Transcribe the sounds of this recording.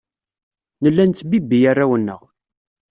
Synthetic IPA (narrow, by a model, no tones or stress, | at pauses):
nəlːænt͡sːbibːijarːawənːə̰ʁ